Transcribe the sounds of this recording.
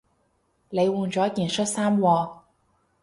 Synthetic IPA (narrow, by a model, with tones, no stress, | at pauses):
le˨˧jwuː˨˩nt͡ʃɔː˨˥kiː˨nsɵ˥t̚saː˥mwɔː˧